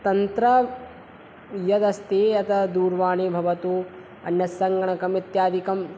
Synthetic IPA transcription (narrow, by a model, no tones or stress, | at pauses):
t̪ɐnt̪ɾɐ | jɐd̪ɐst̪eːɐt̪ɐd̪uːɾʋaːɳiːbʱɐʋɐt̪u | ɐ̰njɐsːɐŋɡɐɳɐkɐmit̪jaːd̪ikɐm